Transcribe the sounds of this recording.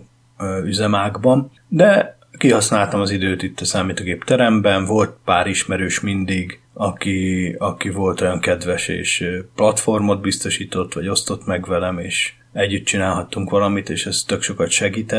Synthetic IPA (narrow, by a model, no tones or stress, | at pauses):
yzɛmaːɡbɒn | d̪ɛ | kiɦɒsnaːlt̪ɒmɒzid̪øːt̪it̪ːɒsaːmiːt̪oːɡeːpt̪ɛɾɛmbɛnvo̞lt̪̚paːɾiʃmɛɾøːʃmind̪iɡ | ɒkiɒkivo̞lt̪o̞jɒŋkɛd̪ʋɛʃḛːʃplɒt̪fo̞rmo̞d̪̚bist̪o̞ʃiːt̪o̞t̪ːʋɒɟo̞st̪o̞t̪mɛɡʋvɛlɛmeːʃ | ɛɟːyt̪̚t͡ʃinaːlɦɒt̪ːuŋkʋɒlɒmit̪eːʃɛst̪ːø̞kʃo̞kɒt̪ʃɛɡiːt̪ɛ